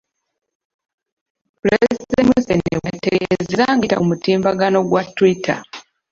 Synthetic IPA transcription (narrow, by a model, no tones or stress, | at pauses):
plesemesenewateɡeezeɾaŋɡita̰umutiːmbaɡano̞ɡwatːwitʰa̰